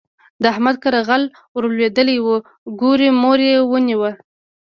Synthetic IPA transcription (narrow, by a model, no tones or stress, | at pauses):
d̪əahmad̪̚kaɾaɣal | wəɾlwed̪əlewə | ɡuɾimoɾewəniwə